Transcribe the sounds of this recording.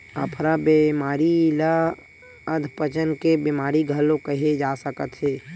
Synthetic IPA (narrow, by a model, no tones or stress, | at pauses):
əpʰɾabemaːɾila | əd̪ʱpət͡ʃənkebɪmaːɾiɡʱəlõkəɦed͡ʒaːsəkət̪ɦeː